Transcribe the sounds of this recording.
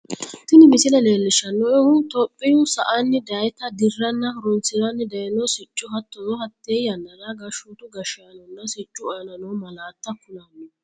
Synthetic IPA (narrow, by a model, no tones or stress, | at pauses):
t̪ɪnɪmɪsɪnɐleːlːɪʃɐnːɔɛhʊt̪ɔpʼːɪjʊsɐ̰ʔanːɪd̪ɐjt̪ɐd̪ɪrːɐnːɐɾɔnsɪɾɐnːɪd̪ɐjnɔsɪt͡ʃʼːʊɦɐt̪ːɔzɔɦɐt̪ːejjɐnːɐd̪aɡɐʃuːt̪ʊɡɐʃɪɐnɔnːɐsɪt͡ʃʼːʊɔjɐnɐnɔmɐlaːt̪ːɐkʊnanːɪ